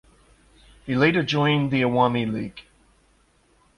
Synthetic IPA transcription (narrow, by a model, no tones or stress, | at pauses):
hileɪɾə˞d͡ʒɔ̃ɪ̃nðiəwɑmilḭɡ̥